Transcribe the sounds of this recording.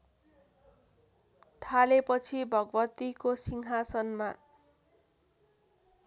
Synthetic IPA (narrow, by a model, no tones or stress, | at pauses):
t̪ʰalepʌt͡sʰibʱʌɡʌbʌt̪ikosiŋɦasʌnma